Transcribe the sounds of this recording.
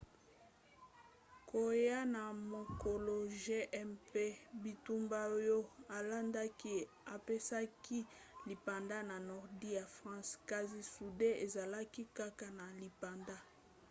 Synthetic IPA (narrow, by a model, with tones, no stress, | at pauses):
kʰo˨ja˦na˨mo˨ko˨lo˨ʒe˦ʔɛ˦mpe˦bi˨tu˦mba˦jo˦a˨la˦nda˦ki˦ | a˨pe˦sa˦ki˦li˨pa˨nda˦na˨nɔ˨ʁdi˦ja˨fʁɑ̃˦ska˨zi˨su˨de˦e˨za˨la˦ki˦ka˦ka˨na˨li˨pa˨nda˦